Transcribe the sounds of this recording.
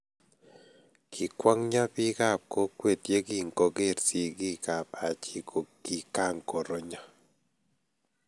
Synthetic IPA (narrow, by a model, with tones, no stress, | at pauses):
kʰi˨kwa˦ŋɲa˦pi˦ɡa˦˨p̚ko˦kwe˦˨t̪je˦ɡi˦˨ŋko˨ɡe˦˨ɾsi˦˨ɡi˦ɡa˨p̚a˨t͡ʃi˨ko˨ɡ̥i˨ka˦˨ŋko˨ɾo˨ɲa˦